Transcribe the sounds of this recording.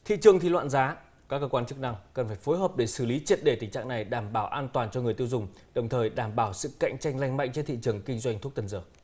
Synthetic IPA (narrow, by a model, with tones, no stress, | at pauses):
t̪ʰḭ˧˨t͡ɕɨ˨˩əŋt̪ʰi˨˩lwa̰ː˧˨nzaː˨˦ | kaː˦˥kːə˧kwaː˧nt͡ɕɨ˦˥k̚na˧ŋkə˨˩nfaː˧˩jfo˨˦jɦəː˨˩p̚ɗe˧˩sɨ˧˩li˨˦t͡ɕi˧˩ət̚ɗe˧˩t̪ï˨˩ŋ̟t͡ɕa̰ː˧˨ŋna˨˩jɗaː˧˩mɓaː˧˩wʔaː˧nt̪waː˨˩nt͡ɕɔ˧ŋ˨əjt̪i˧wzʊ˨˩ŋ͡m | ɗə˨˩wŋ͡mt̪ʰəː˨˩jɗaː˧˩mɓaː˧˩wsɨ̰˧˨ka̰˧˨jŋ̟t͡ɕa˧jŋ̟la˧jŋ̟ma̰˧˨jŋt͡ɕe˧nt̪ʰḭ˧˨t͡ɕɨ˨˩əŋkï˧ŋ̟zwa˧jŋ̟t̪u˦˥k̚t̪ə˨˩nzəː˧˩